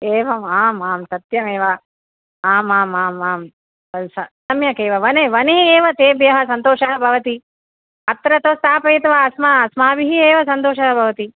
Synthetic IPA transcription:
eːʋɐmaːmaːmt̪ɐt̪jɐmeːʋɐ | aːmaːmaːmaːm | ɐsɐsɐmjɐkeːʋɐʋɐneːʋɐniɦieːʋɐt̪eːbjɐɦɐ̆sɐnt̪oːʃɐɦɐbʱɐʋɐt̪i | ɐt̪ɾɐt̪oːst̪ʰaːpɐit̪ʋɐɐsmaɐsmaːbiɦieːʋɐsɐnt̪oːʃɐɦɐbʱɐʋɐt̪i

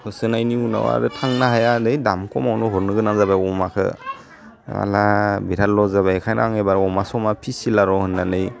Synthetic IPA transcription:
hʰɯsɯnajniuna̰wa̰ɾɯtʰaŋnaɦajadɯjdamkʰɔmawnɔɦɔɾnɯɡɯnazabajɔmakʰɯ̰ | a̰labiɾat̚lɔzaβaekʰajna̰aŋebaɾɔmasɔmapʰisilaɾɔhɯnːanɯj

